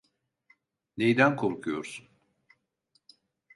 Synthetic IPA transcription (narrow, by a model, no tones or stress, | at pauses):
nejd̪ænkʰo̞ɾkʰujo̞ɾsun